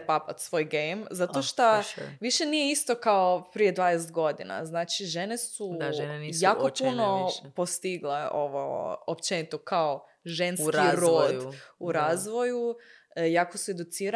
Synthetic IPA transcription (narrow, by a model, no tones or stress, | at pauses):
papat̪sʋoːjɡejmzat̪oʃt̪oʋiʃe̞nijeist̪o̞kaopɾije̞d̪ʋaːd̪eset̪̚ɡo̞d̪ina̰znaːt͡ʃiʒe̞ne̞suaʒnenijjaːkopunopost̪iɡleo̰ʋo̰opt͡ʃenit̪okao | ʒenskɾiɾoːd̪uɾaːzʋo̞ju | jaːkosue̞d̪ut̪siːɾa